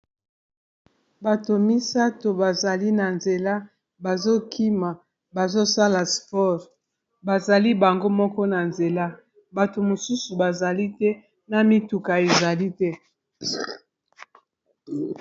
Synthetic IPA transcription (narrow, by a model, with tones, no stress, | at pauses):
ba˨to˨mi˦sa˦to˨ba˨za˨li˦na˨nze˨la˦ | ba˨zo˦kʰi˦ma˨ | ba˨zo˦sa˦la˨spɔ˦ʁ | ba˨za˨li˦ba˨ŋɡo˦mɔ˦kɔ˦na˨nze˨la˦ | ba˨to˨mo˨su˦su˨ba˨za˨li˦tɛ˦ | na˨mi˦tu˨ka˨e˨za˨li˦tɛ˦